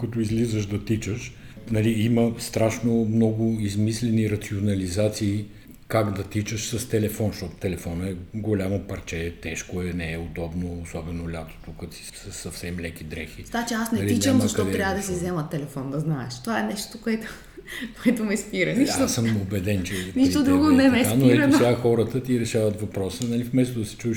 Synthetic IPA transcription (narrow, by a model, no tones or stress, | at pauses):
kɐt̪oizlizəʃd̪ɐt̪it͡ʃəʃ | nɐliiməst̪ɾaʃnomnɔɡʊizmislɛniɾɐt̪sionɐlizat̪siː | kaɡd̪ɐt̪it͡ʃəʃsɐst̪ɛlɛfɔnʃt̪ɔt̪ʊ̥t̪ɛlɛfɔnəɛɡolʲamopɐɾt͡ʃɛt̪ɛʃkoɛnɛːod̪ɔbnoːsɔbɛnolʲat̪o̥t̪ukəsi̥səsːɐfsɛmːlɛk̟id̪ɾɛxit̪at͡ʃɛasnɛɐliit͡ʃəmmɐʃtɐɔd̪ɛɾʲavəd̪ɐsizɛmət̪ːɛlɛfɔnd̪ɐznaɛ̰ʃt̪ovaɛnɛʃt̪okoɛt̪o̥ | koɛt̪omɛspiɾɐnit̪səmobɛd̪ɛnt͡ʃɛniʃod̪ɾuɡonɛmɛanoɛɾɐt̪ʲaxɔɾət̪ət̪iɾɛʃavɐt̪vɐpɾɔsənɐlifmɛst̪od̪ɐsɛ̥t͡ʃuʃ